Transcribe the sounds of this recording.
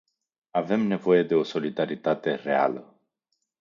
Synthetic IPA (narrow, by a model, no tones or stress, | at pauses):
ave̞mne̞vo̞je̞d̪e̞o̞so̞lid̪aɾit̪at̪e̞re̞a̰lə